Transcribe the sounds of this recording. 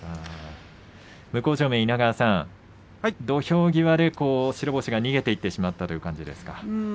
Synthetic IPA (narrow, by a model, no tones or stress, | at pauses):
aː | mɯ̟ko̞ːʑo̞ːmẽ̞inaɡasãŋ | d̪o̞ço̞ːɡʲiβad̪e̞ko̞ːɕiɾo̞boɕiɡaɲ̟iɡe̞t̪e̞it̪ːe̞ɕimat̪ːat̪o̞jɯ̟kãɲ̟d͡ʑid̪e̞̰sɨ̥ka